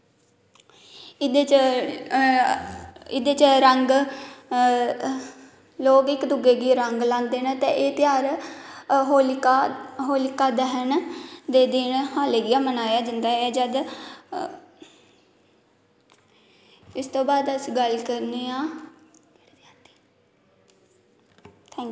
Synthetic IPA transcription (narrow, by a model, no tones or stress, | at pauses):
ɪd̪eːt͡ʃ | ɪd̪eːt͡ʃəɾəŋɡ | loːɡɪkd̪ʊɡeːɡiːɾəŋɡlãːnd̪eːnaːt̪ɛ̃ːʔeːt̪ɪjaːɾ | ɦolkːɦoːlɪkaːd̪əɦənd̪eːd̪ɪnɦaːleːɡɪjaːmənaːjaːd͡ʒənd̪aːɛːd͡ʒəd̪ | ɪst̪õːbaːd̪əsiːɡəlkəɾneːãː | t̪ʰɛːŋ